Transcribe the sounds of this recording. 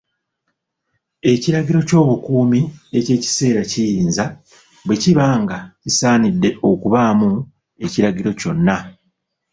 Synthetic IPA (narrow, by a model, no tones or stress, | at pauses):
e̞ciɾaɟiɾo̞co̞ːβukuːmie̞ce̞ːci̥se̞ːɾacijiːnza | βwe̞ciβaːŋɡacisaːnidːe̞ʔo̞kuβaːmu | e̞ciɾaɟiɾo̞co̞nːa